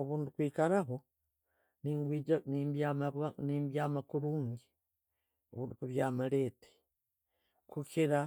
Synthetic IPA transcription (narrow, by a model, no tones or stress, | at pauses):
oβuːndukwiːkaɾaɦo | niːŋɡwiːd͡ʒanimbamβwaniːmbjaːmakuɾuːŋɡi | oβuːndukuβjaːmaleːte̥ | kukiɾa